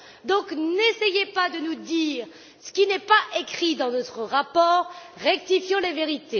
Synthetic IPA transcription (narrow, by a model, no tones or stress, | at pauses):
d̪ɔ̃knesɛjepad̪ənud̪iːʁ | sə̥kʲinɛpaʔekχid̪ɑ̃nɔt̪χəʁapɔːʁː | ɛk̚t̪ifjɔ̃leveʁit̪e